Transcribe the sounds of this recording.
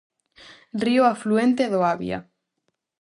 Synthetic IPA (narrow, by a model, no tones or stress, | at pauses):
rioafluẽnt̪eðoaβj̰a̰